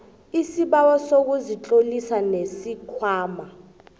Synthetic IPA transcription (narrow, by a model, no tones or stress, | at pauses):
isiɓawɔsok̬uzit͡ɬʼolisanesikʰwaːma